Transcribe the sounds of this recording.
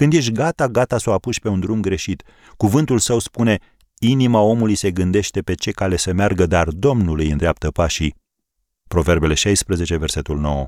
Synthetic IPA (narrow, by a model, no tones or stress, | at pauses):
kɨnd̪je̞ʃ̬ʲɡat̪aɡat̪asoapuʃʲpe̞und̪ɾumɡɾe̞ʃit̪ | kuvɨnt̪ulsəwspune̞ | inimao̞mulujse̞ɡɨnd̪e̞ʃt̪e̞pe̞t͡ʃe̞kale̞səmearɡəd̪ard̪o̞mnulɨjɨnd̪ɾeap̚t̪əpaʃi | pɾo̞ve̞rbe̞le̞ʃajspɾəze̞t͡ʃe̞ve̞rse̞t̪ulno̞̰wə